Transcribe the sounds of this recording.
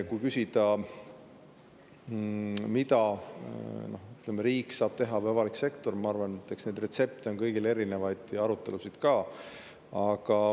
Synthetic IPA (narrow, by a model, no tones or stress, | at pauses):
kujkysʲid̪̥ɑ | mit̪ɑ | no̞yt̪lemeɾiːkːsɑːb̥t̪e̞ɦɑvævɑlikse̞kt̪o̞rmɑɑɾvɑnet̪ːˑeksne̞jd̪̥re̞t̪se̞p̚t̪eo̞nkɤjɡ̥ile̞ɾine̞vɑjd̪̥ɑɾut̪ːˑe̞lusid̪̥kɑː | ɑɡ̥ɑ